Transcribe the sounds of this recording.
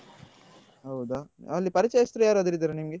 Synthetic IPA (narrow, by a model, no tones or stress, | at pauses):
ɦɐwd̪aɐlːipɐɾit͡ʃɐjɐst̪ɾujaːɾuɐd̪iɾid̪ɐɾenimɡe